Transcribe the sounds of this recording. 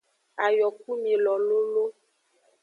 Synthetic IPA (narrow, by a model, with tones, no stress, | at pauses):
a˨jɔ˨k̚u˦mẽ˨lɔ˨lo˦lo˦